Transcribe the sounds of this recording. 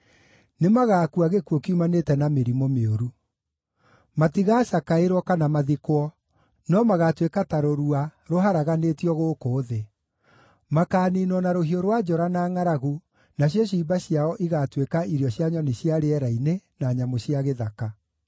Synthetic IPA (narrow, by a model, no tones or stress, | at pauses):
nemaɣaːkuaɣekuokiumanetɛnameɾimomeoɾu | matiɣaːʃakaeɾwɔkanamaðikwɔ | nɔmaɣatwekataɾoɾuaɾoɦaɾaɣanetiɔɣoːkoːðe | makaːniːnɔnaɾoɦioɾwad͡ʑɔɾanaːŋaɾaɣu | naɕ̬jɔɕ̬ibaɕijaɔʔiɣatwekaiɾiɔɕjaɲɔniɕjaɾeɛɾainenaɲamoɕiaɣeðaka